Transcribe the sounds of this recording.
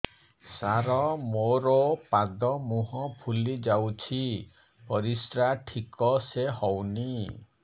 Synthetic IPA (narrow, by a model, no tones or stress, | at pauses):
saɾɔmoɾɔpad̪ɔmuɦɔpʰulid͡ʒawt͡ʃʰi | ɔɾisʈɾaʈʰikɔseɦɔwni